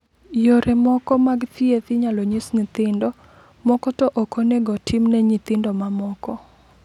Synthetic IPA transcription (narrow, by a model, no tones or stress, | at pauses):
joɾʔɛmɔkɔmaɡt̪iet̪ɪɲalɔɲisnɪt̪ɪndɔ | mɔkɔtɔʔɔkɔnɛɡɔtʰɪmnɛɲit̪ɪndɔmamɔkɔ